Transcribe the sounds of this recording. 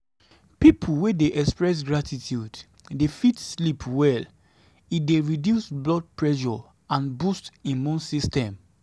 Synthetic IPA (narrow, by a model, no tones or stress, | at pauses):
pipʰulwedeʔɛkspɹɛs̬ɡɹatʰitʰjud | defitslipʰwɛl | it̚deɹidjusblɔd̚pɹɛʃɔ | ãnbustĩmũnsistɛ̃m